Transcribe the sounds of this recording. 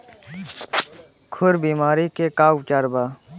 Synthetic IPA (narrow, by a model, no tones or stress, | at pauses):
kʰʊɾbiːmaːɾikekaːwt͡ʃaɾbaː